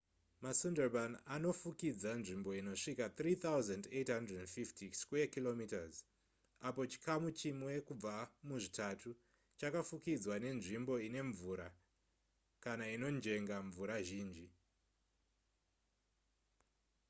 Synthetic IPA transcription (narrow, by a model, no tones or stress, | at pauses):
masunderbanano̞fukid͡zanʐimbo̞ino̞ʂikat̪rit̪auzandetɦandreddfiftikskuekilo̞mitaz | apo̞t͡ʃi̥kʰamut͡ʃimwe̞kub͡vamuʐitatʰu | t͡ʃakafukid͡zwane̞nʐimbo̞ine̞ɱvuɾa | kanaino̞nd͡ʒe̞ŋɡaɱvuɾaʒiːnd͡ʒi